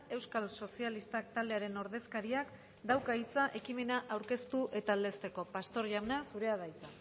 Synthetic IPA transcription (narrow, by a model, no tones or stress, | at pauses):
e̞wskalso̞sialist̪ak̚t̪ald̪e̞aɾe̞no̞ɾðe̞skaɾiak | d̪awkait͡saʔe̞kime̞naʔawɾke̞st̪uʔe̞t̪aːld̪e̞st̪e̞ko̞past̪o̞ɾʝawnasuɾe̞aðajt͡sa